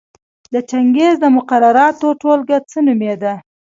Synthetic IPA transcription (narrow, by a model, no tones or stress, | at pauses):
d̪ət͡ʃaŋɡezd̪əmʊqaɾaɾɑt̪oʈolɡat͡sənumed̪a